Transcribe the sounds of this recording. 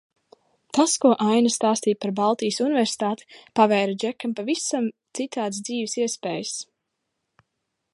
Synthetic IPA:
t̪askuɔʔajnast̪aːst̪iːpaɾbalˠt̪ijəsunɪvɛɾsi̥t̪aːt̪i̥pavɛjɾad͡ʒɛkːampavisamt̪sit̪aːd̪s̬d̪ziːvisiɛspɛːjəs

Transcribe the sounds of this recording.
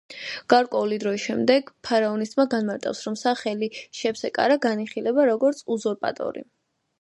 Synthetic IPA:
ɡ̥aɾkʼwɛulid̪ɾɔisʃɛmd̪ɛɡ̥pʰaɾaɔnist̪ʼmaɡanmaɾt̪ʼa̰fsɾɔmsaχɛliʃɛpsɛkʼa̰ɾaɡaniχilɛbaɾɔɡɔɾt̪sʰuzɔɾpʼa̰t̪ʼɔ̰ɾḭ

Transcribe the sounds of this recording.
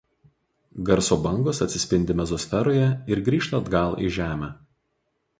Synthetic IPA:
ɡɐɾsoːbɐŋɡoːsɐt̪ʲsʲɪsʲpʲɪnʲd̪ʲɪmʲɛzɔsʲfʲɛɾoːjɛɪɾɡɾʲiːʃt̪ɐːd̪ɡɐˑlˠḭˑʒʲæːmʲæː

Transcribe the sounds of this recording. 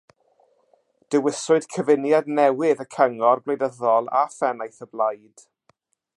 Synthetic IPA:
d̥əwɪsʊɨd̥kʰəvɪnjadnɛwɪðəkʰəŋɔrblejdəðɔlˠa̰fɛnajθəblˠajd̥

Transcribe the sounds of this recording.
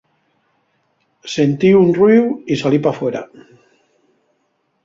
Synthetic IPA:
sent̪iunriwisalipafweɾa̰

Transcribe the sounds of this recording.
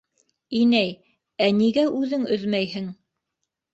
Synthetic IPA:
inæj | æniɡæʔʉðɘŋɵ̆ðmæjhɘŋ

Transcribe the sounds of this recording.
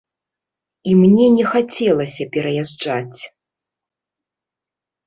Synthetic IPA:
imnʲɛnʲɛxat͡sʲɛlˠɐsʲɐpʲɛɾɐjaʐd͡ʐat͡sʲ

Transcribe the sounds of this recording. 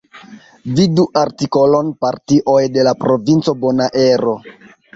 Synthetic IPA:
viduʔaɾtiko̞lo̞npaɾtiʔo̞jde̞lapɾo̞vint͡so̞bo̞naʔe̞ɾo̞

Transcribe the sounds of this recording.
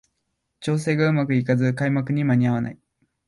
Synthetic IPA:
t͡ɕo̞ːs̬e̞ːɡaɯ̟makɯ̟ikazɨkaimakɯ̟ɲ̟imaɲ̟iaβ̞ana̰i

